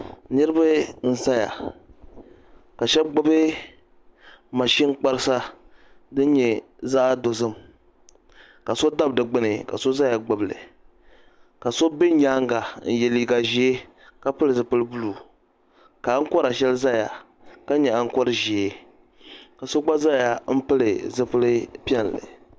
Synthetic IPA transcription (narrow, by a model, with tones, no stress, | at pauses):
nɨ˦ɾɨ˦ba˦n̩˦˨sa˦ja̰˨ | ka˨ʃɛ˦bɡ͡bʊ˦bɨ˦ | ma˨ʃi˦ŋ˦k͡pa˦ɾɨ˦sa˦ | dɨ˦n˦ɲɛ˨ | za˦a˦do˨zɨ˦m | ka˨so˦da˦bdɨ˨ɡ͡bɨ˦nɨ˨ka̰˨so˦za˦ja˨ɡ͡bʊ˨blɨ̰˨ | ka˨so˦bɪ˦ɲaː˦ŋɡa˨n̩˨jɛ˨li˨ɡa˨ʒi˦e˦ | ka˦pɨ˦lɨ˨zɨ˨pɨ˦lɨ˦bu˦lu˨ | ka˨˦ŋ̩˦kɔ˦ɾa˨ʃɛ˦lɨ˦za˦ja˨ | ka˦ɲɛ˨a˦ŋ̩˦kɔ˦ɾɨ˨ʒi˨e˦ | ka˨so˦ɡ͡ba˦za˦ja˨m̩˦pɨ˦lɨ˨zɨ˦pɨ˦lɨ˦pi˦ɛ˦n˨lɨ̰˨